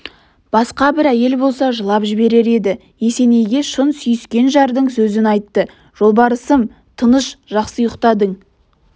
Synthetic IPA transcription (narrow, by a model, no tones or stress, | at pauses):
b̥ɑsqɑbɪɾæje̞lbo̞lˠsɑʒəlˠɑpʒɪbe̞ɾe̞ɾe̞d̪ɪ | je̞se̞ne̞jɡʲe̞ʃənsʏjʏskʲe̞nʒɑɾd̪əɴsɵzɪnɑjt̪ːə | ʒ̥o̞lˠbɑɾəsəm | t̪ʰənəʃʒ̥ɑqsəjəqt̪ɑd̪əɴ